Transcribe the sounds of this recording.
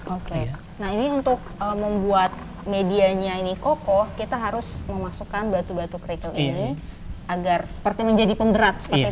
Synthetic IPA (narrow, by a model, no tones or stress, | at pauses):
oke | naɦiniunt̪ʊk̚əməmbuat̪̚ | mediaɲainikokɔhkit̪aɦaɾʊsməmasukanbɾat̪ubat̪ukɾikəlḭniaɡarsə̥pərt̪iməɲd͡ʒadipundəɾat̪̚sə̥əri